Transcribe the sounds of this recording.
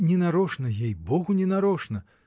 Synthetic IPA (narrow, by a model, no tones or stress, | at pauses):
nʲɛnaɾɔʂnɐjʲejbɔɣunʲɛnaɾɔʂnɐ